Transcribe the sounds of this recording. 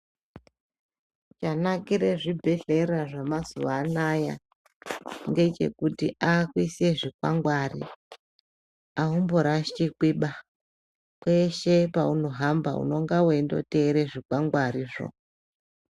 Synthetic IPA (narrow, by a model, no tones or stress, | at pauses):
t͡ʃanakiɾeʐibʱe̞ɬe̞raʐamazuʋanaja̰ | ŋɡe̞t͡ʃe̞̰kutiʔakwise̞ʐikwaŋɡwarḭ | aɦumboɾaʃt͡ʃikwiːɓa | kwe̞ʃe̞pauno̞ɦamba̰ṵno̞ŋɡaweindo̞̰te̞ɾeʐikwaŋɡwariːʐo̰